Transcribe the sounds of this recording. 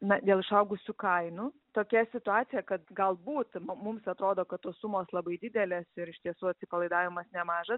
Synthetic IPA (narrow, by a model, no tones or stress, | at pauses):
nɐd̪ʲeːlˠɪʃɐʊɡʊsʲʊkɐɪnʊ | t̪oːkʲɛsʲɪt̪ʊɑːt̪sʲɪjɛkɐt̪ɡɐlˠbuːt̪mmʊmsɐt̪ɾoːd̪oːkɐt̪t̪ːoːssumoːslˠɐbɐɪd̪ʲɪd̪ʲɛlʲeːsɪɾɪʃt̪ʲiɛsuːɐt̪ʲsʲɪpɐlˠɐɪd̪ɑːʋʲɪmɐsnʲɛmɑːʒɐs